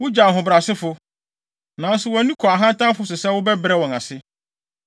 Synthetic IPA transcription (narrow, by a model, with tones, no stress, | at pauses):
wʊ˦d͡ʑa˨ɦʊ̃˨bɾa˨sɪ˦fʊ˦ | nã˨˦n˦sʊ˨wɔ̃˨˦nũ˦kʰɔ˨a˨ɦã˦ntʰã˦mfʊ˦sɪ˨sɛ˦wʊ˦bɛ˦bɾɛ˦wɔ̃˨na˨sɪ˦